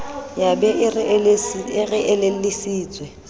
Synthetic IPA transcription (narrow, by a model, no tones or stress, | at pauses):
jabɛɪr | ɪrɪʔɛlel̩lɪsiːt͡sʼwɛ